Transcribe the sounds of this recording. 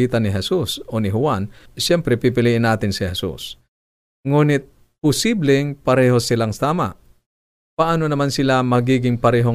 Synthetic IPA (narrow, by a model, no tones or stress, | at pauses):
iːt̪ɐnɪɦɛsusonɪɦʊwanʃɛmpɾɛpɪpɪliʔɪnaːt̪ɪnsɪhɛsṵs | ŋuːnɪt̪̚ | pʊsiblɛŋpɐɾɛːho̞sɪlaŋsaːma̰ʔ | pɐʔaːnonɐmansɪlamɐɡiːɡɪŋpɐɾɛːɦo